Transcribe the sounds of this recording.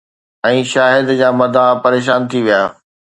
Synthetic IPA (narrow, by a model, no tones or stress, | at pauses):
ɛ̃ːʃaːɦɪd̪d͡ʑaːmɐd̪ʱapɐɾeːʃ̬aːnt̪ʰiʋijaː